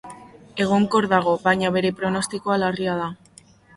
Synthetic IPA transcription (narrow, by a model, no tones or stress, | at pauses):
e̞ɣ̞o̞ŋko̞ɾðaɣ̞o̞βajɲaβe̞ɾe̞pɾo̞no̞st̪iko̞alariað̞a